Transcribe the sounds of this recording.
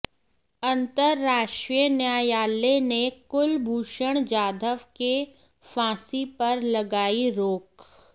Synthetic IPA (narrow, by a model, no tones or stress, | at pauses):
ɐ̃nt̪əɾːaːʃʈɾijənjaːjaːlenekʊlbʱuːʃəɽ̃d͡ʒaːd̪ʱəʋke | fãːsipɐɾlɐɡaːiɾoːk